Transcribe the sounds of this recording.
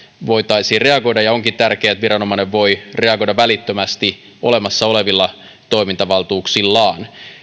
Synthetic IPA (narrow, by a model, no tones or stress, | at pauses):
ʋo̞it̪ɑjsiːre̞ɑɡo̞jdɑjɑo̞ŋkit̪t̪ærkeæt̪ʋiɾɑno̞mɑneʋʋo̞jre̞ɑɡo̞jdɑʋælit̪ːømæst̪i | o̞le̞mɑsːɑo̞le̞ʋilːɑ | t̪o̞imint̪ɑʋɑlt̪uːksilːɑːn